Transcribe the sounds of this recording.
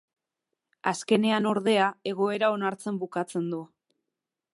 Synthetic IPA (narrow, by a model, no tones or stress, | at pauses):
aske̞ne̞ano̞ɾðe̞ae̞ɣ̞o̞e̞ɾao̞naɾt͡se̞mbukat͡se̞nd̪u